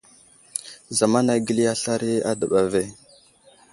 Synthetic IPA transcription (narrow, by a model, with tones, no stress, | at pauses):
za˨ma˦na˨˦ɡi˦li˦a˦ɬa˦ɾi˦a˦də˨ɓa˨ve˦˨